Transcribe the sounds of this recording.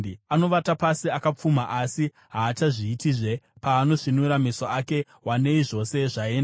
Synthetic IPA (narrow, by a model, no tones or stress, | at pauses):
ano̞ʋatapasiakap͡fumaʔasi | ɦaːt͡ʃaʐiːtiʐe̞paːno̞ʐinuɾamisoake̞ | wane̞iʐo̞se̞ʐae̞ːnda